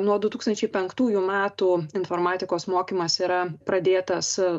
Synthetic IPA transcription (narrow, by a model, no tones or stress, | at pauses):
nuɔd̪ʊt̪uːkst̪ɐnʲt͡ʃʲɛɪpʲɛŋkt̪uːjʊmʲæːt̪uːɪnfoːɾmɑːt̪ʲɪkoːsmoːkʲimɐsiːɾɐpɾɐd̪ʲeːt̪ɐs